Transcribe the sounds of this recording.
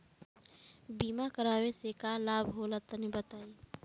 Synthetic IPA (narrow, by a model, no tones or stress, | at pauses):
biːmakəɾaːwesekalaːbʱɦoːlət̪ənibət̪aːiː